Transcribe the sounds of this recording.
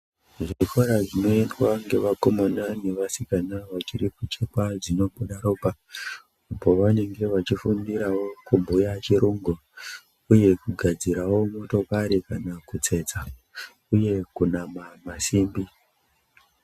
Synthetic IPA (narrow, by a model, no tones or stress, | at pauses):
ʐiifoɾaʐino̞endwaŋɡe̞ʋako̞monane̞ʋasikanaʋat͡ʃiriput͡ʃekwaʐino̞ɓuɗaɾo̞ːpa | upo̞ʋane̞ŋɡe̞ʋat͡ʃifundiɾawo̞kumbʱujat͡ʃiɾuŋɡo | uje̞kuɡʱad͡ziɾawo̞mo̞to̞kaɾikanakut͡se̞t͡sa | uje̞kunamamasiːmbi